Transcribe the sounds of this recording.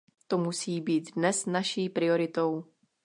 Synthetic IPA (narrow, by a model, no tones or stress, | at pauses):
t̪omusiːbiːt̪dnɛsnaʃiːpɾɪo̞ɾɪt̪o̞w